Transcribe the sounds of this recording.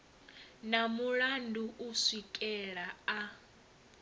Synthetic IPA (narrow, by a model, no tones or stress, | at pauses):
namuɺanduʔusikʼɛɺaa